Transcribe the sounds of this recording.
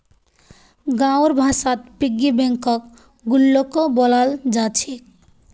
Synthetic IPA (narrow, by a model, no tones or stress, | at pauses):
ɡãʊɾbʱasat̪̚piɡːibeŋkɔk | ɡulːokobɔlald͡ʒat͡ʃʰi